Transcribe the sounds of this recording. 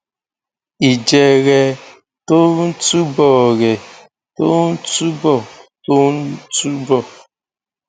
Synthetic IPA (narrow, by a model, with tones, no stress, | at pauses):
i˨d͡ʒɛ˨ɾɛ˨ | to˦n̩˦tu˦bɔ˨ɾɛ˨ | to˦n̩˦tu˦bɔ˦˨to˦n̩˦tu˦bɔ˨